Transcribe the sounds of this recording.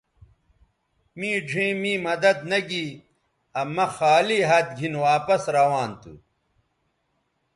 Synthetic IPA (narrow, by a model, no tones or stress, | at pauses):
mĩːɖʱĩːmĩːmɐd̪ɐd̪nɐɡi | ɐmɐxaːliːɦɐt̪̚ɡʱinwaːpɐsɾɐwaːnt̪ṵ